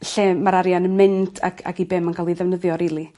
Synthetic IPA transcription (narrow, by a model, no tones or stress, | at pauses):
ɬeːmaɾaɾjanənmɪntʰa̰kʰa̰kibɛmənkalˠiðɛvnəðjɔɾilˠi